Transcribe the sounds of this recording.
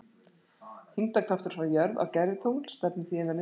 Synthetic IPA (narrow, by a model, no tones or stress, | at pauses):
hiŋt̪akʰlaft̪ʏɾsvaɾjœɾva̰wcɛɾvɪt̪ʰowl̥st̪ɛpnɪθiːɛnaɾnɪ